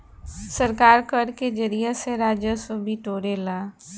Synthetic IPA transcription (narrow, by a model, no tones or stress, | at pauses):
səɾkaːɾkəɾked͡ʒəɾijeseɾaːd͡ʒjəsoːbʱiʈoːɾelaː